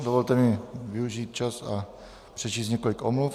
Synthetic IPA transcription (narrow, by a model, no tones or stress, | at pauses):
d̪ovolt̪ɛmɪviuʒiːt̪̚t͡ʃasa̰ | pr̥ɛt͡ʃiːsɲɛkolikomluf